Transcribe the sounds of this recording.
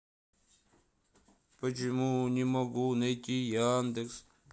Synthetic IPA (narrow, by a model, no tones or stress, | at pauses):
pɐt͡ʃimunimɐɡunɐjkʲijaːnd̪eks